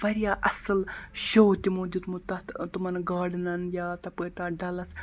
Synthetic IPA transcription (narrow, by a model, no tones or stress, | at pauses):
ʋɐɾjaʔɐsəlɕowt̪imod̪it̪mut̪ːat̪t̪umɐnɡaːɖnɐnjat̪ɐpət̪aɖalɐs